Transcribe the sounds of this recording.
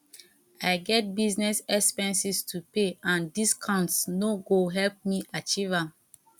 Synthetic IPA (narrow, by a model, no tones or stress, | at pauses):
aɪɡɛt̚biznɛsɛkspɛ̃nsistʰupeãndiskʰɔ̃ntsnoɡoɦɛlp̚miʔat͡ʃivãm